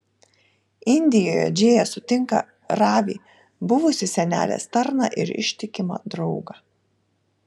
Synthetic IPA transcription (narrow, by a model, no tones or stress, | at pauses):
ɪnʲd̪ʲɪjoːjɛ̰d͡ʒʲeːjɛsʊt̪ʲɪŋkɐ̰ | ɾɑːʋʲḭː | bʊʋʊsʲɪsʲɛnʲæ̰ːlʲḛːst̪ɐɾnɑ̰ʔɪ̰ɾɪ̰ʃʲt̪ʲɪkʲɪmɐ̰d̪ɾɒʊɡɐː